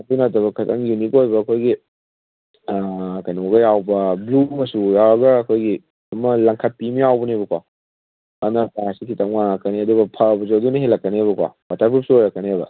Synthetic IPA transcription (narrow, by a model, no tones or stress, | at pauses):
ɐdunɐtɐbɐkʰɐtɐŋjunikojbɐːkʰojɡi | kɐjnɐoɡɐjawbɐblumɐsujawɐɡɐːkʰojɡi | ɐmɐlaŋkʰɐt̚pimijawbɐnebɐkwa | ɐnɐpaasikʰitɐŋmaŋɐkɐniɐduɡɐpʰabɐzowdunɐɦelɐkːɐnebɐkʰwa̰batʰapʰuɾup̚suojɾɐkːɐneebɐ̰